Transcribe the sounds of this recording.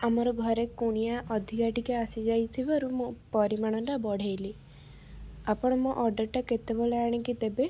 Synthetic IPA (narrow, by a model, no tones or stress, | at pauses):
amɔɾɔɡʱɔɾekuɽ̃ijaʔɔd̪ʱikaʈikaasid͡ʒajt̪ʰibaɾumũpɔɾimaɽ̃ɔntabɔɽ̤ejli | apɔɽ̃ɔmuʔɔɾɖeʈaket̪eboleaɽ̃ikit̪ebe